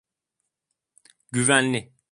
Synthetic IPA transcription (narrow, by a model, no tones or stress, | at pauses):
ɟyvænlʲi